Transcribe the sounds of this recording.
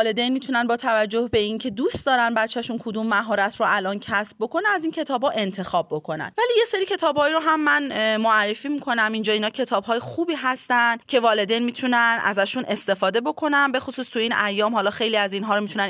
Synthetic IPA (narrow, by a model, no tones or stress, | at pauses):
le̞d̪ejnmiːt̪ʰunænbɒːt̪ʰævæd͡ʒːo̞hbe̞incʰe̞d̪uːst̪̚d̪ɒːɾænbæt̪t͡ʃʰːæʃunkʰod̪uːmːæɦɒːɾæt̪ʰroælʔɒːncʰæsb̚ːo̞kʰo̞neæzincʰe̞t̪ʰɒːbhɒʔe̞nt̪ʰe̞xɒːbːokʰo̞næ̰nvæliːje̞seɾiːcʰe̞t̪ʰɒːbhɒːiɾoɦæmːænmoærːe̞fiːmikʰo̞næmind͡ʒɒːiːnɒːcʰe̞t̪ʰɒːbɦɒːjexuːbiːɦæst̪ænd̪cʰe̞vɒːle̞d̪ejnmiːt̪ʰunænʔæ̰zæʃunʔe̞st̪e̞fɒːd̪e̞bo̞kʰo̞nænbe̞xosuːst̪ʰuiːnæjːɒːmɦɒːlɒːxe̞jliːæziːnɦɒːɾomit̪ʰunæn